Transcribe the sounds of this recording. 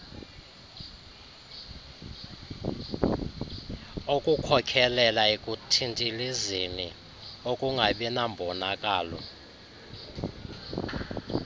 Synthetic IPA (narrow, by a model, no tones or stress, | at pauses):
okʼukʰɔkʰɛlɛlaekʼutʰintʼilizini | okʼuŋɡʱaɓɛnambʱɔnakʼaːlɔ̰